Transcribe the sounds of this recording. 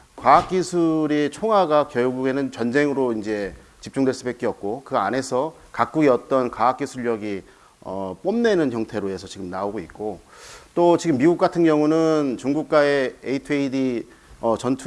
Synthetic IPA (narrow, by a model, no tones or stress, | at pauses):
kwaɦak̚k͈isʰuɾit͡ɕʰoŋɦaɡakjʌɭɡuɡe̞nɯnt͡ɕʌnd͡ʑe̞ŋɯɾoind͡ʑe̞t͡ɕip̚t͡ɕ͈uŋdweɭs͈ubek͈eʌp̚k͈okɯane̞sʰʌ | kak͈̚uɡiʌt͈ʌnkwaɦak͈isʰuɭːʌɡi | ʌp͈omne̞nɯnçjʌŋtʰe̞ɾoe̞sʰʌt͡ɕiɡɯmnaoɡoit̚k͈ot͈ot͡ɕiɡɯmːiɡuk͈atʰɯŋɡjʌŋunɯnt͡ɕuŋɡuk̚k͈ae̞ːitʰɯeidi | ʌt͡ɕʌntʰ